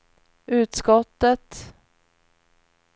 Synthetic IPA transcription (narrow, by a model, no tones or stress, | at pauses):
ʔʉ̟ːt̪skɔt̪ːət̪